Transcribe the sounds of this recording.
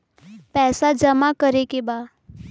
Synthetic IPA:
pɛːsad͡ʒəmakəɾekebaː

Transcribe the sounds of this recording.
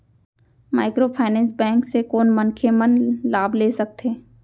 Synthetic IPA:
maːɪkɾoːpʰaːɪnɛ̃ːnsbɛ̃ːŋksekoːnmənkʰemənlaːbʱleːsɐk̚t̪ʰeː

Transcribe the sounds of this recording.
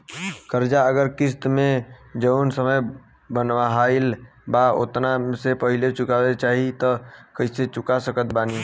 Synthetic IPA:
kəɾd͡ʒaəɡəɾkɪst̪mẽd͡ʒəʊnsəməj | bənʋaɦaɪl | bao̰t̪nasepəɦilet͡ʃʊkawet͡ʃaɦit̪ɔkəiset͡ʃʊkasəkət̪baːni

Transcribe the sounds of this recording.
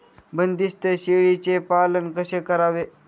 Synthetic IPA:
bənd̪ist̪əɕeɭit͡sepalənkəɕekəɾaʋe

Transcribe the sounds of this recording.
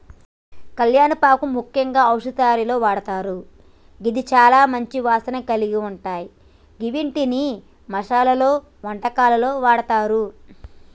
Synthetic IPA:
kɐljaːnɐpaːkumukʰjɐŋɡaːɐwʂɐt̪aːɾilo̞ːʋaːɽɐt̪aːɾu | ɡid̪it͡ʃaːlaːmɐɲt͡ʃiʋaːsɐnɐkɐliɡiuɳʈaːji | ɡiʋiɳʈini | mɐʂaːlɐloː | ʋɐɳʈɐkaːlɐlo̞ːʋaːɽɐt̪aːɾu

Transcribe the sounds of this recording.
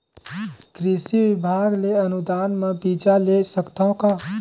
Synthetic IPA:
kɾisibibʱaɡleənud̪anmebid͡ʒalesəkt̪aõka

